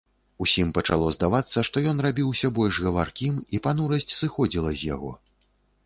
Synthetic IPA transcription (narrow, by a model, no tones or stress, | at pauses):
usʲimpɐt͡ʂa̰lˠɔzd̪avat̪sːɐʂt̪ɔjɔn̪rabʲiwsʲɐbɔlʲʐɣɐvarkʲimipanuɾɐsʲt͡sʲsɨxɔd͡zʲilˠɐzʲja̰ɣɔ̰